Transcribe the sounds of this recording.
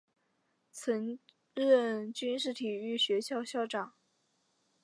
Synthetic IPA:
t͡sʰə˧˥ŋ | ɻə˥˧nt͡ɕy˥nʂ̬ɻ̩˥˩t̪ʰi˨˩y˥˩ɕɥɛ˧˥ɕjɑ˥˧ʊɕjɑ˥˩ʊʈ͡ʂɑ˨˩˦ŋ

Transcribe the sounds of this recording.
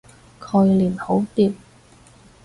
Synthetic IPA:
kʰɵ˨˧ɥliː˨˩nho˨˥wt̪iː˧p̚

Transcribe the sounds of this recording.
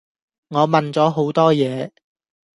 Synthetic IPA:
ŋɔː˨˧mɐ˨nt͡sɔː˨˥ɦo˨˥wt̪ɔː˥jɛː˨˧

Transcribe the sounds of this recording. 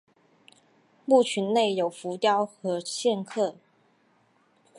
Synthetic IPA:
mu˥˩t͡ɕʰy˧˥nne˥˩ɪjo˨˩ʊfu˧˥t̪jɑ˥ʊxɤ˧˥ɕjɛ˥˧nkʰɤ˥˩

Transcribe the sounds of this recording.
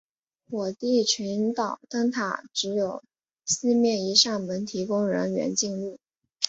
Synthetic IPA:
xwɔ˨˩t̪i˥˩t͡ɕʰy˧˥nt̪ɑ˨˩ʊt̪ə˥ŋt̪ʰa˨˩ʈ͡ʂɻ̩˧˥jo˨˩ʊ | sɹ̩˥mjɛ˥˩ni˧˥ʂa˥˩ŋmə˧˥nt̪ʰi˧˥kʊ˥ŋɻə̰˧˥nɥɛ̰˧˥nt͡ɕi˥˧ŋlu˥˩

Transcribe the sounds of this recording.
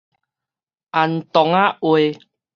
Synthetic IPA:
ʔa˨nt̪ɔ˨˦ŋa˦ʔwe˨

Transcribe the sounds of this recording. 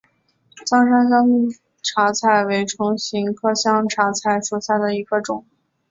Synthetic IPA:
t͡sɑ˥ŋʂa˥nɕ̬jɑ˥ŋ | ʈ͡ʂʰa˧˥t͡sʰa˥˩ɪwe˧˥ɪʈ͡ʂʰʊ˧˥ŋɕi˧˥ŋkʰɤ˥ɕjɑ˥ŋʈ͡ʂʰa˧˥t͡sʰa˥˩ɪsɔ˨˩sa˥˩ɪd̪ə˩i˧˥ɡə˧ʈ͡ʂʊ˨˩˦ŋ

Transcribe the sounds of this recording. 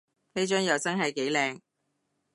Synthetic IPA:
fe˥jt͡ʃœː˥ŋjɐ˨˧wt͡sɐ˥nɦɐ˨jke˨˥jlɛː˨ŋ

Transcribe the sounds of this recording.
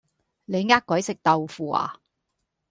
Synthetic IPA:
ne˨˧jŋaː˥k̚kʷɐ˨˥jsɪ˨k̚t̪ɐ˨wfuː˨a̰ː˨

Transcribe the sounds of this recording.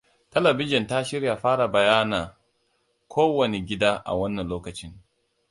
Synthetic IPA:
tɐ˦lɐ˨bɪ˦d͡ʒɪ˨nta˦ʃɪ˦ɾja˨ɸaː˦ɽa˨bɐ˨jaː˦naː˨ | kʰʷoː˦wɐ˨ne˨ɡʲɪ˦daː˦ʔa̰˨wɐ˦nːɐ˨nloː˦kɐ˨t͡ʃɪ˦ŋ

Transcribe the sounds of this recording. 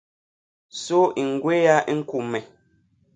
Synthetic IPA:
so˦ʔi˨ŋ̩˨ɡwe˦ja˦ʔi˦ŋ̩˦ku˨mɛ˨

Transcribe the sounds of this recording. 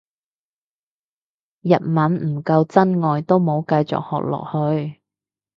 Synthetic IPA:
jɐ˨t̚mɐ˨˥nm̩˨˩kɐ˧wt͡sɐ˥nŋɔː˨jt̪o˥wmo˨˥wkɐ˧jt͡sɔ̰˨k̚hɔ̰ː˨k̚lɔ̰ː˨˩k̚hɵ˧ɥ

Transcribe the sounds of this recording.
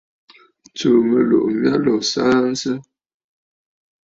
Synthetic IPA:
t͡səː˨mə˨lo̰˨ʔm̩˦bja˦lɔ˨saː˦n̩˦sə˦

